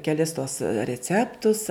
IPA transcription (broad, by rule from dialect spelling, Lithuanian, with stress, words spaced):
kʲɛˈlʲɪs tuɔs rʲɛˈt͡sʲæːptʊs